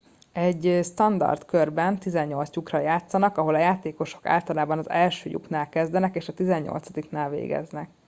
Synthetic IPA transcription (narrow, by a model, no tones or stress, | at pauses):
ɛɟːst̪ɒnd̪ɒ̰rt̪kørbɛnt̪izɛɲːo̞lt̪sjukrɒjaːt̪sɒnɒkɒɦo̞lɒjaːt̪eːko̞ʃo̞̥ka̰ːlt̪ɒlaːbɒnɒzɛlʃøːjṵknaːlkɛzd̪ɛnɛkeːʃɒt̪izɛɲɲo̞̰lt̪sɒd̪iknaːlvḛːɡɛ̰znɛk